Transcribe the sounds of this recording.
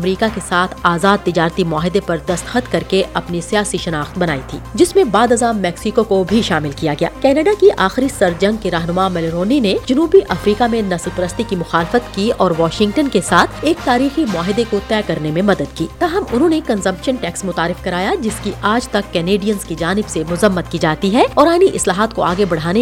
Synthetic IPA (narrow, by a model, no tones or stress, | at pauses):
ɐmɾiːkakesaːt̪ʰaːzaːd̪̚t̪ɪd͡ʒaːɾt̪imʊaːɦɪd̪epɐɾd̪ɐst̪xət̪kɐɾkeʔɐpnisijaːsiʃɐnaːxt̪̚bɐnaːit̪ʰḭːd͡ʒɪsmẽbaːd̪ɐzaːmːɛːksikokobʱiʃaːmɪlkijaɡɐja̰ːkɛːnɐɖakiʔaːxɪɾisɐɾd͡ʒɐ̃ŋɡ̚keɾaːɦnʊmamɛlɪɾoːnined͡ʒʊnuːbiʔɐfɾiːkamẽnɐslpɐɾəst̪ikimʊxaːlɪfət̪kiɔːɾʋaːʃɪ̃ŋɡ̚ʈənkesaːt̪ʰeːk̚t̪aːɾiːximʊaːɦɪd̪ekot̪ɛːkɐɾnemẽmɐd̪əd̪kiːt̪aːɦəmʊnɦõnekɐ̃nzɐ̃mpʃənʈɛːksmʊt̪aːɾɪfkɐɾaːjad͡ʒɪskiʔʔaːd͡ʒt̪ɐkːɛneːɖijənzkid͡ʒaːnɪbsemʊzɐmːət̪̚kid͡ʒaːt̪iɦɛɔːɾaːniʔɪslaːɦaːt̪koaːɡebɐɽ̤aːne